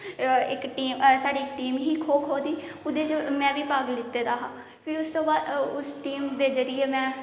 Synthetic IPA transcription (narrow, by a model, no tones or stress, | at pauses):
ɪkʈiːmsaːɖiːɪkʈiːmɦiːkʰoːkʰɦoːd̪iː | ʊd̪eːt͡ʃmɛ̃ːʋiːpaːɡlɪt̪ːeːd̪aːɦãː | pʰiːʊst̪õːbaːd̪ʊsʈiːmd̪eːzəɾɪjeːmɛ̃ː